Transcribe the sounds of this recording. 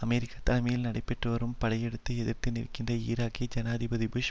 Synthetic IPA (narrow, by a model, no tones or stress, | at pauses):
ɐmɛɾɪkːɐt̪ːɐlɐmɐjɪlnɐɽɐɪpːɛʈrɯʋɐɾɯmpɐɽɐjɛɽɯt̪ːɯɛðɪɾt̪ːɪnɪ̰ɾkːɪndrɐḭːɾaːkid͡ʒɐnaːðɪbɐðibʊʃ